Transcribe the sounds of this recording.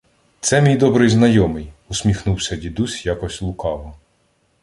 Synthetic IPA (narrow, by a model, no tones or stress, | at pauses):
t̪sɛmʲijd̪ɔbɾɪjznɐjɔmɪjuʊsʲmʲixnuwsʲɐdʲid̪usʲjakɔsʲlˠʊkɑlˠɔ